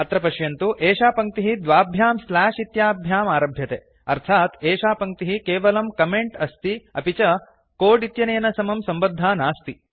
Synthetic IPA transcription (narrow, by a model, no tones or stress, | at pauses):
ɐt̪ɾɐpɐʃjɐnt̪uʔeːʃaːpɐŋk̚t̪iɦid̪ʋaːbʱjaːmslaːʂit̪jaːbʱjaːmaːɾɐbʱjɐt̪e | ɐɾt̪ʰaːt̪eːʃaːpɐŋk̚t̪iɦikeːʋɐlɐmkɐmeɳʈɐst̪iɐpit͡ʃɐ | koːɖit̪jɐneːnɐsɐmɐmsɐmbɐd̪ʱːaːnaːst̪i